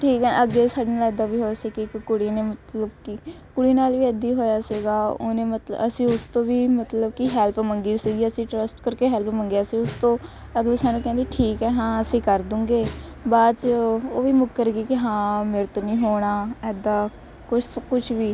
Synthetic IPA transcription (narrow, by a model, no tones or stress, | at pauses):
ʈʰiːkɛːʔəɡːeːsaːɖiːnaːlɛːd̪aːʋiːɦoːsiːkikːʊɽiːneːmət̪ləbki | kʊɽiːnaːlʋiːəd̪iːɦoːjaːsiɡaːʊ̰nẽːmət̪əsĩːʊst̪õːʋiːmət̪ləbkiɦɛːlpməŋɡiːsiːɡiːəsĩːʈɾəsʈkəɾkeːɦɛlpməŋɡjaːsĩːʊst̪õː | əɡliːsaːnũːkɛ̃ːnd̪iːʈʰiːkɛːɦãːəsĩːkəɾd̪ʊ̃ːŋɡeː | baːt͡ʃoːʋiːmʊkːəɾɡiːkɪɦãːmeːɾet̪õːnĩːɦoːɽ̃aːɛːd̪aː | kʊt͡ʃkʊt͡ʃʰʋiː